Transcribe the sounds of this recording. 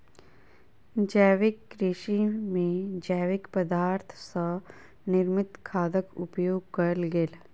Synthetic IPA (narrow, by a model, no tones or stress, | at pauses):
d͡ʒəːʋɪkːɾɪʃimẽd͡ʒəːʋɪkpəd̪aːɾt̪ʰsa | nɪɾmɪt̪kʰaːd̪əkʊpjoːɡ̚kəɾlɡel